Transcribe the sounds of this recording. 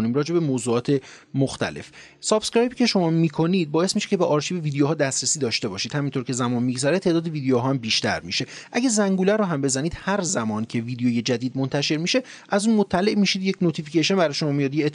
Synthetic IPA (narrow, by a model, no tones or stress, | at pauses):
nimɾɒːd͡ʒe̞bemoːzuːɒːt̪ʰe̞ | moxt̪ʰæ̰le̞̰f | sɒːbskɾɒjbicʲʰe̞ʃo̞mɒːmiːkʰo̞niːd̪̚bɒːjesmiʃecʰe̞beʔɒːɾʃiːbeviːd̪ejoɦɒːd̪æst̪ɾesiːd̪ɒːʃt̪e̞bɒːʃiːd̪̥hæmint̪ʰoɾcʰe̞zæmɒːnmiɡzæɾet̪ʰeːd̪ɒːd̪eviːd̪ejoɦɒːæmbiːʃt̪æ̰ɾmiʃe̞ʔæɟæzæŋɡulæɾoɦæmbe̞zæniːd̪hæɾzæmɒːncʰe̞vid̪ejoje̞d͡ʒæd̪iːd̪̚mo̞nt̪ʰæʃe̞ɾmiʃe̞ | ʔæzuːnmot̪ʰːæle̞ʔmiʃid̪jecnot̪ʰificeʃonbæɾɒjeʃo̞mɒːmijɒd̪jeː